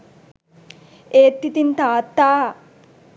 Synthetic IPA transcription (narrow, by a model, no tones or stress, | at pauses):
eːt̪ːit̪int̪aːt̪ːaː